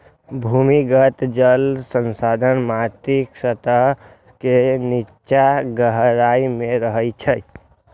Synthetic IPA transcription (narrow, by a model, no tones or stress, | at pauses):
bʱumiɡət̪d͡ʒəlsənsad̪ʱənmat̪iksət̪əɦ | keni | t͡ʃaɡəɦɾaimeɾəɦəjt͡ʃʰəj